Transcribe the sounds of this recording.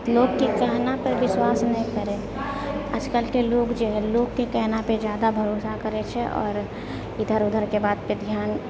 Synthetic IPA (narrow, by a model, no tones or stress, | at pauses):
loːɡkekɛɦnapɐɾʋɪswaːsnɐɦĩkɐɾẽː | əd͡ʒkəlkeloːɡd͡ʒoɦɛloːɡkekɛɦnaped͡ʒjaːd̪abʱɐɾoːsakɐɾet͡ʃʰeʔɔ̰ːɾ | ɪd̪ʱəɾʊd̪ʱəɾkebaːd̪̚ped̪ʱjaːn